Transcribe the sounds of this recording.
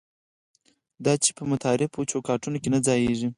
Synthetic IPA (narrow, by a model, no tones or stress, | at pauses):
d̪ɑt͡ʃe̥pəmʊt̪ʰɑɾɪpot͡ʃokɑʈunokenad͡zɑjeʐi